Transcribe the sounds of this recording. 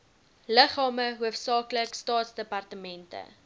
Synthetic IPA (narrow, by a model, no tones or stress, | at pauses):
ləχɑːməɦuəfsɑːkləkstɑːtsdəpɐrtəmɛntə̰